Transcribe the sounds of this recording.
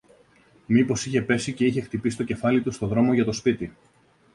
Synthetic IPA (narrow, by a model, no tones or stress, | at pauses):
mipo̞siçe̞pe̞sice̞içe̞xt̪ipisi̥t̪o̞ce̞fɐlit̪ust̪o̞ðɾo̞mo̞ʝɐt̪o̞spit̪i